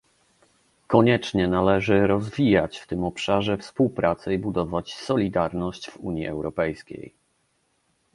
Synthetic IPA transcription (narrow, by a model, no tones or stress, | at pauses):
kɔɲɛt͡ʂɲɛnalɛʐɘɾɔzvʲijat͡ɕft̪ɘmɔpʂaʐɛfspuwpɾat̪sɛibud̪ɔvat͡ɕsɔlʲid̪aɾnɔɕt͡ɕvṵɲjḭɛwɾɔpɛjskʲḛj